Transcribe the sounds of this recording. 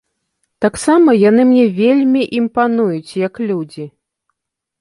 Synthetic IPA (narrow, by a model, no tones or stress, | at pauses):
t̪aksamɐjan̪ɨmnʲɛvʲelʲmʲiʔimpanujut͡sʲjɐklʲud͡zʲi